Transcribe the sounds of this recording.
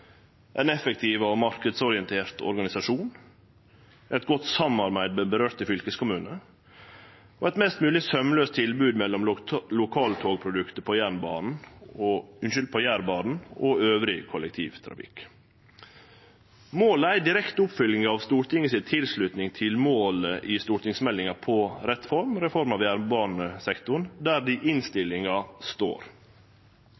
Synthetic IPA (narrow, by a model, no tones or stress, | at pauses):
ʔɛ̰nɛfəkt̪ʰiːʋɔmɑɾkəd̪sɔɾɪɛnt̪ʰeːɾt̪ʰɔ̰ɾɡɑnɪsɑʂuːn | ʔɛt̪̚ɡɔt̪ːsɑmːɑɾbæɪd̪bəɾøːɾt̪əfʏlkəskʊmʉːnə | oːɛt̪mɛst̪mʉːlɪsœməløːst̪ʰːɪlbʉːd̪mɛlːɔmlʊkʰɑːlt̪ʰoːɡpʰɾʊd̪ʉkt̪əpʰɔjæːɳbɑ̰ːnn̩oʉnʃʏld̪̚pʰɑjæːɾbɑːnn̩ɔøːʋɾɪkʰɔlɛk̚t̪ʰḭːʋt̪ʰɾɑ̰fɪ̰k | moːləæɪd̪ɪɾɛkt̪əʊpfʏlɪŋɑʋst̪uːɾʈ̪ɪŋːəsɪt̪ʰɪlslʉt̪nɪŋt̪ʰɪlmoːləʔɪst̪uːʈ̪ɪŋsmɛlːɪŋɑpʰɔɾɛt̪fɔɾmɾɛfɔɾmɑʋjæːɾbɑːnəsɛkt̪ʊɳd̪æːd̪iʔɪnst̪ɪlɪŋɑst̪o̰ːɾ